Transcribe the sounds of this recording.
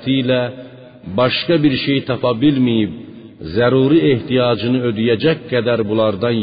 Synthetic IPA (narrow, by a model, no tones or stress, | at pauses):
t̪ʰijlæ | bɑʃkɑbiɾʃe̞jt̪ʰɑpʰɑbilmijib̚ | zæɾuːɾieht̪ʰijɑːd͡ʒɯnɯød̪yjæd͡ʒæc̚ɡæd̪æɾbulˠɑɾd̪ɑn